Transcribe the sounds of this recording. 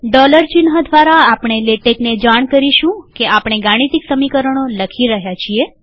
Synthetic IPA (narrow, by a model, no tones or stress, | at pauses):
ɖɔləɾt͡ʃinɦəd̪ʱʋaɾaːpɳ̃eleʈekned͡ʒaɳ̃kəɾiʃũkeapɽ̃eɡaɽ̃it̪iksəmikəɾəɽ̃oləkʰiɾəɦjat͡ʃʰie